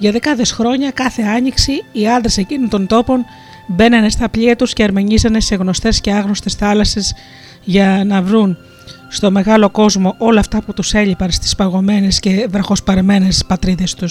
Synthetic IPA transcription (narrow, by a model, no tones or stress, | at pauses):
ʝɐðekɐðesxɾo̞ɲɐkɐθe̞ɐɲiksiiɐnd̪ɾese̞cinont̪o̞nt̪o̞po̞n | be̞nɐnest̪ɐpʎiɐt̪usceːɾme̞ɲizɐnese̞ɣno̞st̪e̞sce̞ɐɣno̞st̪e̞sθɐlɐsez | ʝɐnɐvɾun | st̪o̞me̞ɣɐlo̞ko̞zmo̞ʔo̞lɐːft̪ɐput̪use̞ʎipɐnst̪i̥spɐɣo̞me̞ne̞sce̞ðɾɐxo̞spɐɾeme̞ne̞spɐt̪ɾiðe̞st̪us